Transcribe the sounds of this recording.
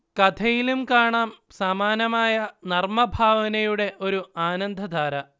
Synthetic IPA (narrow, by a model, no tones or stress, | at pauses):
kɐt̪ʰɐjilumkaːɳaːm | sɐmaːnɐmaːjɐnɐrmɐbʱaːʋɐnɐjuɽe̞ʔo̞ɾuaːnɐnd̪ʱɐd̪ʱaːɾɐ